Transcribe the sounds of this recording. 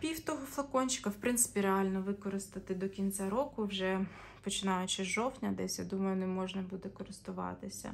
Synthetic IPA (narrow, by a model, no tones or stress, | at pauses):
pʲiwt̪ɔɦɔflˠɐkɔnʲt͡ʃɪ̥kɐwpɾɪnt̪sɪ̥pʲiɾeɑlʲnɔʋɪkɔɾɪst̪ɐt̪ɪd̪ɔkʲinʲt͡sʲaɾɔkʊwʒɛ | pɔt͡ʃɪnɑjʊt͡ʃɪʒɔwtʲnʲɐd̪ɛsʲja̰d̪umɐjʊnɛmɔʒnɐbud̪ɛkɔɾɪst̪ʊʋɑ̰t̪ɪsʲɐ̰